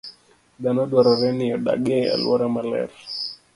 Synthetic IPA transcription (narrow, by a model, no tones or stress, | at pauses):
danɔɗwaɾɔɾɛnɪɔɗa̰ɡea̰lwɔ̰ɾamalɛ̰r